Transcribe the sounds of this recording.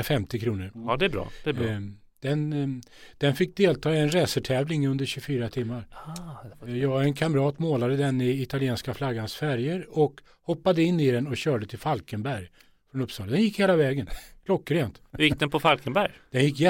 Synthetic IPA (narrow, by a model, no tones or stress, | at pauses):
fɛmt̪ɪkʰɾuːnəɾd̪ɛbɾɑ̰̥ːɛ | d̪̥ɛn | d̪̥ɛnfɪk̚ːd̪eːlt̪ʰɑːɪɛnɾɛːsəʈʰɛːvlɪŋɵnd̪əɾɕɵfyːɾat̪ʰɪmːaɾ | jɑːɡɛnkʰamɾɑːt̪moːlad̪əd̪ɛnɪɪt̪alɪeːnskaflaɡːansfæɾjəɾɔk | hɔpːad̪əɪnːɪd̪ɛnɔɕœːɖət̪ʰɪlfalkənbæɾj | fɾɔnɵpːsɑːlad̪ɛnjɪkːheːlavɛːɡənkʰlɔkːɾeːnt̪jɪk̚d̪ɛnpʰɔfalkənbæɾjd̪̥ɛnjɪkːjɛ